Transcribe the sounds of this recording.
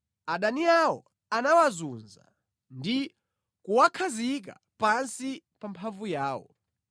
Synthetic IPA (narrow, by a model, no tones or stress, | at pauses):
aɗaniawɔ̰ | anawazunza̰ | ndi | kuwakʰazik̬a̰ | pansipampʰaɱvujaːwɔ̰